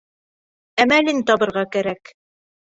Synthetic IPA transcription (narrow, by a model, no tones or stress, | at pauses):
æmælint̪ɒβɤ̆ɾʁɑkæɾæk